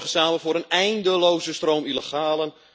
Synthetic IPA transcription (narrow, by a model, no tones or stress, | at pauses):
χəsaːmənvʊːɾənɛjndəlowzəstroːwmiləχaːlən